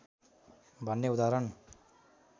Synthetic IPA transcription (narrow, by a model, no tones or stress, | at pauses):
bʱʌnːeud̪aɾʌn